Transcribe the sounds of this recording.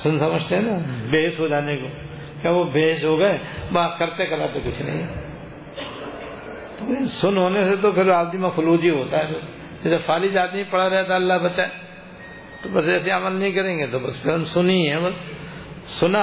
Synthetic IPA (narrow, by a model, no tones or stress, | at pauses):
sʊnsɐməd͡ʒt̪eɦɛ̃nabeːɦɪsɦod͡ʒaːnekoː | kjaːʋobeːɦɪʃɦoːɡɐɛbakɐɾt̪ekɐɾaːt̪okʊt͡ʃʰnɐ̰ɦĩ | t̪osʊnɦoːneset̪opʰɪɾaːbd̪imãfʊluːd͡ʒiɦoːt̪aɦɛbɐs | ɐd͡ʒɐfʰaːlid͡ʒaːd̪niipɐɽaɾɛɦt̪̬aɐlːaɦbɐːt͡ʃaɛ | t̪obɐsd͡ʒɛːs̬iaːməlnɐɦĩkɐɾẽːŋɡet̪obɐspʰɪɾɐnsʊnĩɦɛ̃ːbɐsː | ʊna